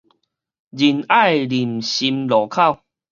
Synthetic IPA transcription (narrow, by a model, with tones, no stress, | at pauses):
d͡ʑi˨na˥˧˨jli˨˩mɕi˧mlɔ˨˦kʰa˥˨w